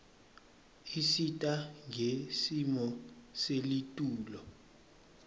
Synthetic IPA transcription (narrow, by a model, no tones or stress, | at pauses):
isitʼaŋʱesimɔselitʼuːlɔ